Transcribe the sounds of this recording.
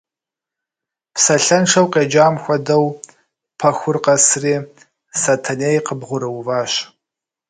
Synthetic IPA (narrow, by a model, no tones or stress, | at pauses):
psɐɬɐnʂʰɐwqeːd͡ʒaːmxʷɔdɐw | pʰɐxʷʊrqɐsriː | satʰɐneːjqəbʁʷʊɾɨwvaːɕ